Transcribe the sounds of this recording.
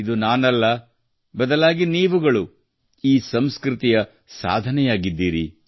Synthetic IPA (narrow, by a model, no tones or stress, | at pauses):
id̪unaːnɐlːɐ | bɐd̪ɐlaːɡiniːʋuɡɐɭu | iːsɐmskɾit̪ijɐ | sa̰ːd̪ʱɐnɛjaːɡid̪ːiːɾḭ